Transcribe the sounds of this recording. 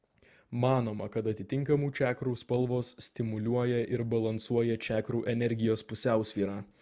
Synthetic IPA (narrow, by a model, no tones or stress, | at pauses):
mɑːnoːmɐkɐt̪ɐt̪ʲɪt̪ʲɪŋˑkɐmuːt͡ʃʲæːkɾuːspɐlˠʋoːsːʲt̪ʲɪmʊlʲuɔjɛʔɪɾbɐlˠɐnsuɔjɛt͡ʃʲæːkɾuːʔɛnʲɛɾʲɡʲɪjoːspʊsʲæˑʊsʲʋʲiːɾɑː